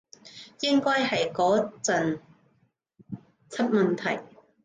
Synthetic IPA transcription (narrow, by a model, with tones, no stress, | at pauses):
jɪ˥ŋkɔː˥jhɐ˨jkɔː˨˥t͡sɐ˨n | t͡sʰɐ˥t̚mɐ˨˩nt̪ʰɐ˨˩j